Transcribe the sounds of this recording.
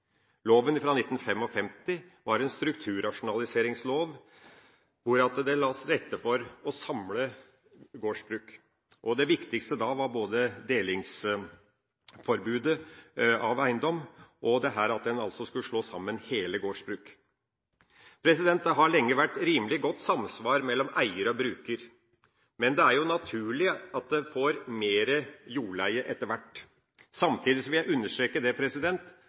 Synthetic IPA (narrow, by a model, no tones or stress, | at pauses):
loːʋənɪfɾɑːnɪt̪ːn̩fɛmɔfɛmt̪ɪ | ʋɑɾɛnst̪ɾʉkt̪ʰʉːɾɑʂʊnɑlɪseːɾɪŋsloːʋ | ʋʊɾɑt̪d̪ɛlɑsɾɛt̪ːəfɔɾɔsɑmlə | ɡoːʂbɾʉːk | ʔɔd̪ɛʋɪkt̪ɪkst̪əd̪ɑʋɑɾboːd̪əd̪eːlɪŋs | fɔɾbʉːd̪əɑʋæɪnd̪ɔmːʔɔd̪ɛɦæɾɑt̪̚d̪ɛnɑ̰lsɔskʉləʂɭoːsɑmːənheːləɡoːʂbɾʉːk | pʰɾɛsɪd̪ɛnt̪ːɦɑɭɛŋːəʋæʈːɾiːməlɪɡɔt̪ːsɑmːsʋɑːɾmɛlːɔmʔæɪəɾəɔbɾʉːkəɾ | mɛnd̪ɛæɾjʊnɑt̪ʰʉːɭɪɑt̪̚d̪ɛfoːɾmeːɾəjuːɭæɪəʔɛt̪ːəɾʋæʈː | sɑmt̪ʰiːd̪ɪsɔʋɪljæɪʉnːəʂtɾeːkəd̪ɛpʰɾɛsɪd̪ɛnt̪